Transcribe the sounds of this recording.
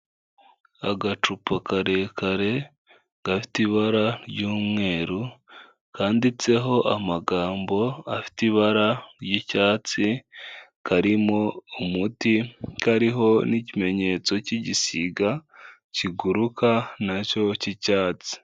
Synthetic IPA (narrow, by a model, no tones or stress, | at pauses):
a̰ɡat͡ʃupakaɾe̞kʰaɾe̞ | ɡ̥afi̥tiβaɾaɾɟuːmŋe̞ːɾu | kaːndit͡se̞ɦo̞ʔamaɡaːmbo̞afi̥tiβaɾaɾjicaːt͡si | kʰaɾimo̞umutikaɾiɦo̞nicime̞ɲe̞t͡so̞ciɟisiɡa | ciɡuɾukʰanaco̞cicaːt͡si̥